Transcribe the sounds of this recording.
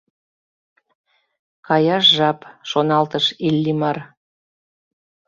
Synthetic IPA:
kɑjɑʃʒɑpʃonɑlt̪əʃelʲːimɑr

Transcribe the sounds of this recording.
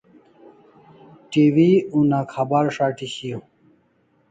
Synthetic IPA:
ʈiwiũnakʰɐbaɾʂaːʈiɕijo

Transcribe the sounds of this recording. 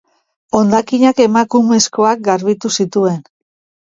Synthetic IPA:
o̞nd̪akiɲake̞makume̞sko̞ak̚ɡaɾβit̪usit̪ue̞n

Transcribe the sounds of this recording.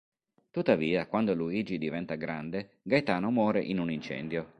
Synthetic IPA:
t̪ut̪ːaviːakwand̪oluiːd͡ʒid̪ivɛnt̪aɡɾand̪e | ɡajt̪aːnomɔːɾeʔinunint͡ʃɛ̰nd̪jo

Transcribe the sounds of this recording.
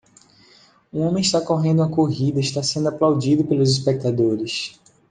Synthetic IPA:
ũõmẽiʃt̪akoɦẽnd̪ũɐkoɦid̪ɐiʃt̪asẽnd̪ʊaplawd͡ʒid̪ʊpelʊzispek̚t̪ad̪oɾɪs

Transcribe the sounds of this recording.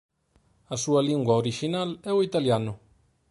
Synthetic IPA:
asualĩŋɡwaoɾiʒinalɛoit̪aljano

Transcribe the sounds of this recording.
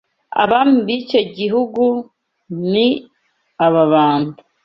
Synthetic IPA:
a̰βamuβico̞ɟiɦuɡu | ni | aβaβaːnu

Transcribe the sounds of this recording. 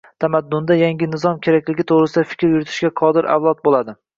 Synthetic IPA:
t̪ʰamad̪ːʊnd̪ajaŋɡʲɪnɪzɒmkʲʰe̞ɾakʲlɪɡʲɪt̪ʰoʁɾɪsɪd̪afɪ̥kʲɾjʊɾɪt̪ʰɪ̥ʃɡʲaqʰɒd̪ɪɾʔa̰wlˠɒt̪̚bolad̪ɪ

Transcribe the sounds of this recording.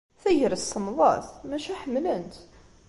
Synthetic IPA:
θæjəɾəsːəmðˤɑ̰θmæʃæħəmːlənt̪

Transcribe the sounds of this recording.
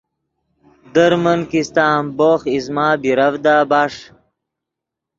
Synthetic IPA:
d̪əɾmənkist̪aːmboːxizmaːbiɾɐvd̪aːbaːʂ

